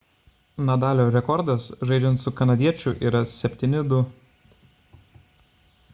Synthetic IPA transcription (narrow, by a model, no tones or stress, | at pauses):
nɐd̪ɑːlʲoːɾʲɛkɔɾd̪ɐsʒɐɪd͡ʒʲɛnt̪sʊkɐnɐd̪ʲiɛt͡ʃʲʊʔiːɾɐsʲɛpʲt̪ʲinʲɪd̪ʊ